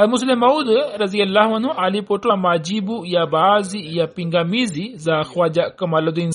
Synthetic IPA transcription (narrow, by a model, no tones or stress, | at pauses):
ɐlmus̬lemɐwd̪ɾɐzijɐlːaːɦuɐnɦũʔalipoʈamaːd͡ʒibujabaːzijapiŋɡamizizaxwad͡ʒakɐmaːlod̪in